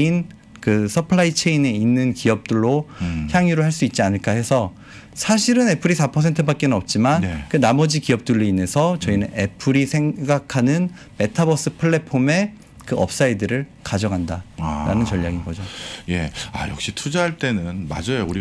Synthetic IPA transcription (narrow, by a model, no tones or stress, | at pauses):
in | kɯsʰʌpʰɯɭait͡ɕʰe̞ine̞inːɯnkiʌp̚t͈ɯɭːoçjaŋiɾohaɭs͈uit̚t͡ɕ͈ianɯɭk͈ahe̞sʰʌ | sʰaɕʰiɾɯne̞pʰɯɾisʰapʰʌs̬ʰe̞ntʰɯbak̚k͈enɯnʌp̚t͡ɕ͈imankɯnamʌd͡ʑikiʌp̚t͈ɯɭːeine̞sʰʌt͡ɕʌinɯne̞pʰɯɾisʰe̞ŋɡakʰanɯn | me̞tʰabʌs͈ɯpʰɯɭːe̞pʰome̞ | kɯʔʌp̚s͈aidɯɾɯɭkad͡ʑʌŋɦandaɾa̰nɯnt͡ɕʌʎːaɡinɡʌd͡ʑoje̞̰a̰jʌ̰k̚ɕ͈itʰud͡ʑaɦaɭt͈e̞nɯnma̰d͡ʑʌjouɾi